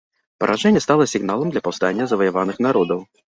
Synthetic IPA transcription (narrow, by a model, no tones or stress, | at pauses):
pɐ̰ɾʔaʐɛnʲːɛst̪alˠɐsʲiɣnalˠɐmd̪lʲɐpɐwst̪anʲːɐzɐvɐjavanɨxn̪aɾɔd̪ɐw